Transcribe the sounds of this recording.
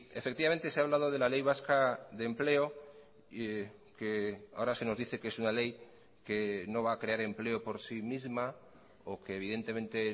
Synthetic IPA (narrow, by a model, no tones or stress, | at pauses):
e̞fe̞k̚t̪iβame̞nt̪e̞seaβlaðo̞ð̞elale̞jβ̞askaðe̞mple̞o̞ | kea̰oɾase̞no̞zðiθe̞kesunale̞j | ke̞no̞βaːkɾe̞aɾe̞mple̞o̞po̞ɾsimizma | oke̞ːβ̞iðe̞nt̪emẽ̞nt̪e̞